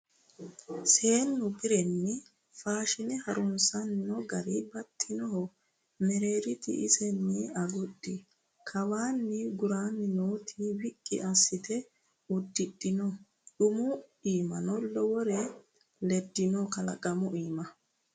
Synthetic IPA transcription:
se̞ːnːʊbɪɾɛnːɪ | faːʃɪnɛhɐɾʊnsɐnːɔɡɐɾɪbɐt̪ʰʼːɪnɔhɔ | mɛɾe̞ːɾɪt̪ɪ̰ʔɪsɛnːɪɐɡʊɗːɪ | kʰɐwaːnːɪɡʊɾaːnːɪnoːt̪ʰɪwɪkʼːɪ̰ʔɐsːɪt̪ɛ | ʊd̪ːɪɗɪnɔ | ᶑʊmʊiːmɐnɔlɔwɔɾɛ | lɛd̪ːɪnɔkɐlɐ̰kʼɐmʊʔiːmɐ

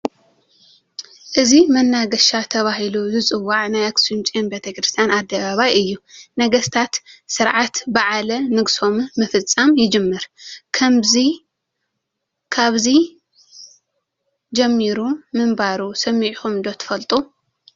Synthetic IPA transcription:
ʔɨzimɐnːaɡɐʃat̪ʰɐβaɦiluzɨt͡sʼɨwːaʕnajɐksɨnt͡ʃʼenbet̪ʰɐkɾɨst̪ʰjanad̪ːɐβaβajɨjːunɐɡɐst̪ʰat̪sɨɾʕat̪baʕalɐnɨɡso̞mmɨfɨt͡sʼːamjɪd͡ʒɨmːɨɾkʰɐmzi | kʰaβzi | d͡ʒɐmːiɾumɨmbaɾusɐmːiʕxumd̪ot̪ʰɨ̥fɐlt̪ʼu

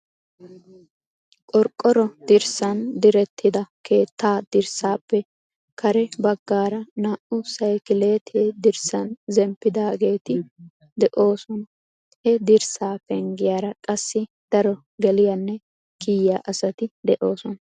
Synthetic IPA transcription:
kʼɔɾkʼːɔɾɔd̪̥ɪɾsɐnd̪ɪɾɛt̪ːɪd̪ɐkʰe̞ːt̪ːaːd̪̥ɪɾsaːpːɛ | kʰɐɾɛbɐɡːaːɾɐnaːʔʊsɐjkɪle̞ːt̪ʰeːd̪ɪɾsɐnzɛmpːɪd̪aːɡe̞ːt̪ɪ | d̪ɛʔo̞ːsɔnɐ | hɛd̪ɪɾsaːfɛŋɡɪjaːɾɐkʼɐsːɪ | d̪̥ɐɾɔ | ɡɛlɪjɐnːɛ | kiːjaːʔɐsɐt̪ɪd̪ɛʔo̞ːsɔnɐ

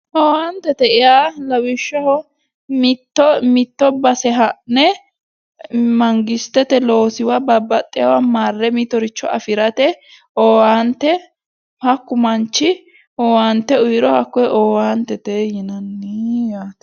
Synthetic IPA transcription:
ʔoːwant̪ɛt̪ɛɪjaːlɐwɪʃːɐhɔ | mɪt̪ːɔmɪt̪ːɔbɐsɛɦɐʔnɛ | mɐŋɡɪst̪ːɛt̪ɛlo̞ːsɪwabɐbːɐt̪ʼːɪjɐwamaːrːɛmit̪ɔɾɪt͡ʃːɔɐfɪɾɐt̪ɛ | ɔːwaːnt̪ːɛ | hɐkːʊmɐnt͡ʃːɪ | ɔːwaːnt̪ːɛʊjɾɔhɐkːɔjʔoːwaːnt̪ɛt̪ejɪnɐnːijaːt̪

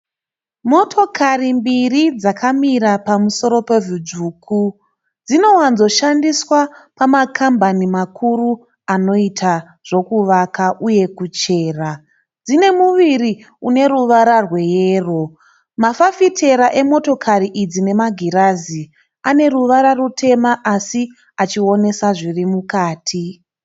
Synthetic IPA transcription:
mo̞tʰo̞kʰarimbirid͡zakʰamiɾapamuso̞ɾo̞pe̞ʐud͡ʒuːkʰu | d͡zino̞wanzo̞ʃandiswapamakʰambanimakʰuru | ano̞itʰa | ʐ̥o̞kuʋakaʔuje̞kut͡ʃe̞ːra | d͡zine̞muʋiri | une̞ɾuʋaɾarwe̞jeːro̞ | mafafitʰe̞ɾaʔe̞mo̞to̞kʰariʔid͡zine̞maɡʱiɾazi | ane̞ruʋaɾarutʰe̞maʔasi | at͡ʃio̞ne̞saʐirimukaːtʰi

